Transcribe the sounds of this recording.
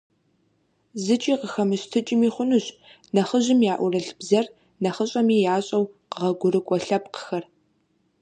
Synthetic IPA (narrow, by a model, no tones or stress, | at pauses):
zɨt͡ʃʼiːqəxɐmɨɕtʰɨt͡ʃʼɪmiːχʷʊnɨɕ | nɐχəʑɪmjaːʔʷʊrɐɬbzɐr | nɐχəɕʼɐmiːjaːɕʼɐwqəʁɐɡʷʊɾɨkʷʼɔɬɐpqə̥xɐr